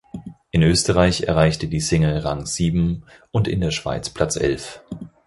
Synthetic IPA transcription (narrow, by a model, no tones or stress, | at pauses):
ʔɪnøːstəʁaɪçɛ̰ɐʁaɪçtədiːsɪŋəʁaŋz̥iːbm̩ | ʔʊntɪ̰ndeːɐʃv̥a̰ɪt͡spʰl̥at͡sʔɛ̰lf